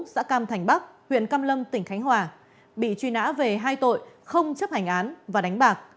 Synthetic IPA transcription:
sa̰ː˧˥kaː˧mt̪ʰa˨˩jŋ̟ɓa˦˥k̚hwḭ˧˨ənkaː˧mlə˧mt̪ï˧˩ŋ̟xa˨˦jŋ̟ɦwaː˨˩ | ɓḭ˧˨t͡ɕwi˧na̰ː˧˥ve˨˩ɦaː˧jt̪o̰˧˨jxə˧wŋ͡mt͡ɕə˦˥p̚ha˨˩ŋ̟ʔaː˨˦nvaː˨˩ɗa˨˦ŋ̟ɓaː˨˩k̚

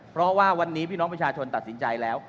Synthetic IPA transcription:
pʰɾɔ˦˥waː˥˩wa˧nːiː˦˥pʰiː˥˩nɔː˦˥ŋpɾa˧t͡ɕʰaː˧t͡ɕʰo˧nt̪a˨˩t̪̚si˩˦nt͡ɕa˧jlɛː˦˥w

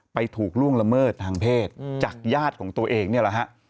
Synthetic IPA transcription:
pa˧jt̪ʰuː˨˩k̚lu˥˩əŋla˧mɤː˥˩t̪̚tʰːaː˧ŋpʰeː˥˩t̪̚t͡ɕaː˨˩k̚jaː˥˩t̪̚kʰɔː˩˦ŋt̪u˧ɐʔeː˧ŋni˥˩ɐla˨˩kʰa˦˥ʔ

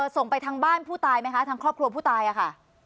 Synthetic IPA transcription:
so˨˩ŋpa˧jt̪ʰa˦˥ŋbaː˥˩npʰuː˥˩t̪aː˧jma˦˥jkʰa˦˥t̪ʰaː˦˧˥kʰɾɔː˥˩p̚kʰɾu˧pʰuː˥˩t̪aː˧jʔa˨˩kʰa˥˩

